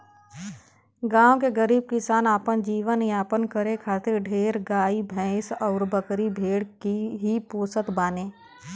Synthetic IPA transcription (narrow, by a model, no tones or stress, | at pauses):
ɡãːõkeɡəɾiːb̚kɪsaːnaːpənd͡ʒiːʋəniaːpənkəɾekʰaːt̪ɪɾɖʱeːɾɡaːibʱɛ̃ːɪsɔːɾbəkɾibʱeːɽkiɦipoːsət̪baːnẽː